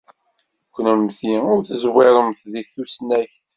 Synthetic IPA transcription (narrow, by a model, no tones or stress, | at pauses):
kʷːnəmθiʊɾθəzwɪɾˤəmθðiθusnæçθ